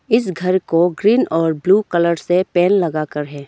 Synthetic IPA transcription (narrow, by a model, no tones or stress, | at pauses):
ɪs̬ɡʱɐɾkoɡɾiːnɔːɾbluːkɐləɾsepɛːnlɐɡaːkəɾɦɛː